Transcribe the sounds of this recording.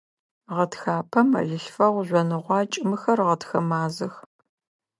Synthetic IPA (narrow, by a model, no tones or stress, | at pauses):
ʁɐtxaːpʰɐmɐ̰ɮɪɬfɐʁʷʑʷɔnɨʁʷɑːt͡ʃʼɪmɨxɐrʁɐtxɐmaːzɨx